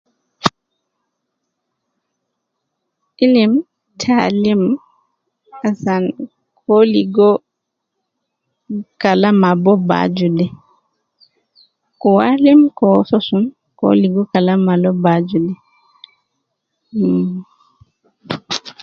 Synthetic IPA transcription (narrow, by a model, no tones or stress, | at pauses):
ʔilim | tʰalim | asan | kʰoliɡɔ | kalamabɔba̰d͡ʒudɛ | kɔwalimkɔsɔsun | ko̰liɡɔkalamalɔbad͡ʒudɛ